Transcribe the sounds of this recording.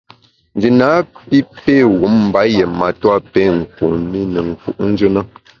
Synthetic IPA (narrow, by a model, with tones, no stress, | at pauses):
n̩˨d͡ʒi˨na˨˦pi˦pe˦˨ɣu˨˦mm̩˨ba˨˦je˨ma˨twa˦pe˦˨ŋ̩˨ku˨mi˦nə˨ŋ̩˨ku˦ʔn̩˦d͡ʒɨ˦nə˦